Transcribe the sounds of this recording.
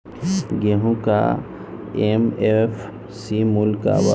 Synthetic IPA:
ɡeɦũka̰ | emef | simulka̰ba̰

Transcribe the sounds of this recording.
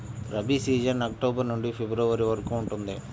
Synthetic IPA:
ɾʔɐbisiːd͡ʒɐnɐk̚ʈoːbɐɾnuɳɖipibɾuʋɐɾiʋɐɾkːuːɳʈund̪e

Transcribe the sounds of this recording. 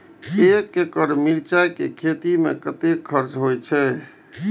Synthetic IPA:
ekːekəɾmiɾt͡ʃajkekʰet̪imḛkət̪ekʰəɾt͡ʃɦojt͡ʃʰɛ

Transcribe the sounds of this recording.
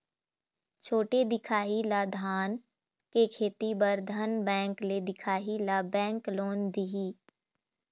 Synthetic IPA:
t͡ʃʰoːʈed̪ɪkʰaːɦilad̪ʱaːn | kekʰeːt̪ibəɾd̪ʱɐnbɛ̃ːŋkned̪ɪkʰaːɦilabɛ̃ːŋkloːnd̪iɦiː

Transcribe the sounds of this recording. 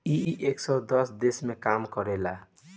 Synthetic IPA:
iʔeksɔd̪ɔsd̪esmekamkɔɾela

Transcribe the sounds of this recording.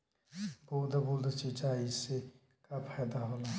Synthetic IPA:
bud̪bud̪t͡ʃid͡ʒaise | kapʰɛːd̪aɦola

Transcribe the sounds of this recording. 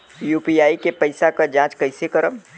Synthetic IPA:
juːpiaːikepəɪsakad͡ʒãːt͡ʃkɐɪsekəɾəm

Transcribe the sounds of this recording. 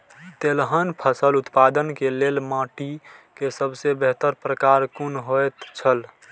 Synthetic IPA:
t̪elɦənpʰəsəlut̪pad̪ənkelelmãʈikesəbsebeɦt̪əɾpɾəkaɾkunɦojt̪t͡ʃʰəl

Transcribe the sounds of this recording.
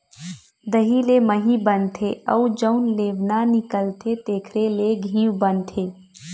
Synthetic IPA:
d̪əɦileməɦĩbənt̪ʰeəud͡ʒəʊnleːʋnanɪkəlt̪ʰet̪eːkʰɾeleɡʱĩːwbənt̪ʰeː

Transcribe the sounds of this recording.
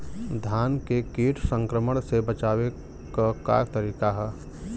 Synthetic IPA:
d̪ʱaːnkekeːʈsə̃ŋkɾəməɽ̃sebɐt͡ʃaːwe | kaka̰ɾt̪əɾiːkaɦɛː

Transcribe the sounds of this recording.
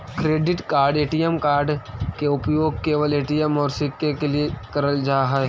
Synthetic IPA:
kɾeːɖɪʈkaːɾɖeːʈijemkaːɾɖkeʊpjoːɡ̚keːʋəleːʈijemɔːɾsɪkːekeliekɐɾəld͡ʒaːɦɛe

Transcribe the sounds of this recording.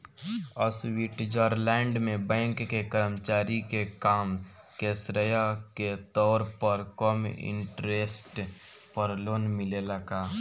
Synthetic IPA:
ɔswiʈd͡ʒəɾlɛ̃ːɳɖmẽbɛ̃ːŋkːekəɾəmt͡ʃaːɾikekaːm | keːsɾəjaket̪ɔːɾpəɾkɔmɪ̰̃ɳʈɾeːsʈpəɾloːnmɪleləɡaː

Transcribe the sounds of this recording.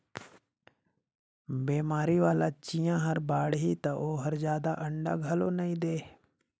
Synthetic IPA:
beːmaːɾiʋaːlat͡ʃĩjãɦəɾbaːɽɦit̪ɐʔoːɦəɾd͡ʒjaːd̪aʔəɳɖa̰ːɡʱəloːnɐĩːd̪eː

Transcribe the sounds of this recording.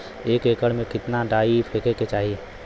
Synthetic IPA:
eːkeːkəɽmẽkɪt̪naɖaːipʰekəket͡ʃaːɦijeː

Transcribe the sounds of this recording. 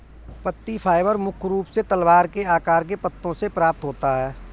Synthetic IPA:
pət̪ːipʰaːɪbəɾmʊkʰɾuːpset̪əlwaːɾkeaːkaːɾk̬epət̪ːõsepɾaːp̚t̪ɦoːt̪aɦɛː

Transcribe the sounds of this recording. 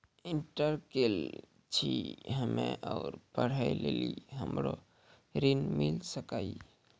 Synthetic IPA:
ɪ̃ɳʈəɾkel | t͡ʃʰiɦəmḛ̃ʔɔʊɾpəɽ̤aileliɦəmɾo | ɾinmilsəkaːi

